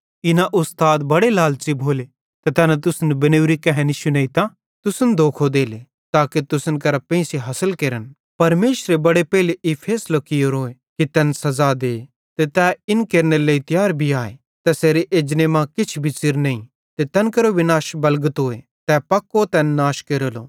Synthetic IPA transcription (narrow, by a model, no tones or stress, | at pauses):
ɪnaʔʊst̪aːd̪bɐɽelaːlt͡ʃibʱoːle | t̪ɛt̪ɛːnat̪̬ʊsnbɐnewɾikɛɦɛ̃niʃʊneːit̪ãː | t̪ʊsənd̪ʱoːkʰod̪eːle | t̪aːket̪ʊsənkɐɾapẽːseɦɐsəlkeːɾən | pɐɾmeːʃɾebɐɽepɛːɪleʔɪpʰeːslokɪjoɾoːe | kit̪ɛːnsɐzad̪eː | t̪et̪ɛɪnkeːɾneleːit̪ɪjaːɾbʱiaːḛ | t̪ɛseːɾeʔeːd͡ʒnemãkɪt͡ʃʰbʱit͡sɪɾnɐĩ | t̪et̪ɛːnkɐɾoʋɪnaːʃbɐlɡət̪ɦoːe | t̪ɛpɐkːot̪ɛːnːaːʃkeːɾoːlo̰ː